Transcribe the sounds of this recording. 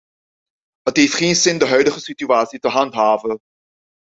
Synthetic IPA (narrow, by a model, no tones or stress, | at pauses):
ɦətɦejftχeːnsɪndəɦœɥdəχəsityaːtsitəɦɑntɦaːvə